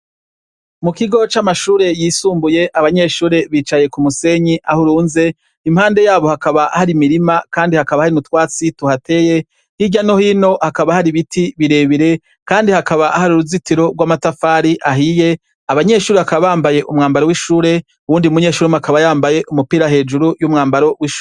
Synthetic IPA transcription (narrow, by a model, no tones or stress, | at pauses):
mukiɡo̞t͡ʃamaʃuːɾe̞jiːsuːmbuje̞ʔaβaɲe̞ʃuːɾe̞βiːt͡ʃaje̞kumuse̞ɲiʔahuɾuːnze̞ | imhaːnde̞jaːβo̞hakaβahaɾimiɾimakaːndihakaβahaɾimutwaːt͡situhate̞je̞ | hiɟano̞hino̞hakaβahaɾiβitʰiβiɾe̞ːβiɾe̞ | kaːndihakaβaʔahaɾuɾuzitiɾo̞ɾɡwaːmatafaːɾiʔaɦije̞ | aβaɲe̞ʃuːɾeakaβaβaːmbaje̞ʔṵmŋaːmbaɾo̞wiʃuːɾe̞ | uwuːndiumuɲe̞ːʃuɾemuakaβajaːmbaje̞ʔumupiːɾaɦe̞ːd͡ʒuɾujumŋaːmbaɾo̞wiʃuːɾe